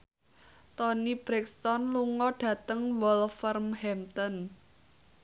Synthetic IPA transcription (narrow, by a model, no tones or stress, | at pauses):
t̪ɔnib̥ɾɛkst̪ɔnluŋɔɖ̥ä̤t̪əŋwɔlfərmhɛmt̪ɔn